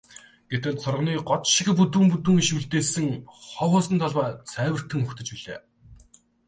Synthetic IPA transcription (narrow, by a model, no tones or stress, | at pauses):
ɡ̥et̪ɘ̆ɮsʰʊrʁ̆niːɢɔt̪ʃĭkput̪̬uːmput̪uːŋiʃuɮt̪eːsɘ̆ŋχɔχɔːsə̆nt̪ʰɔɮwaːt͡sʰæːwɘ̆r̥t̪ʰɘ̆ŋɵxt̪ɵ̆t͡ɕpiɮḛː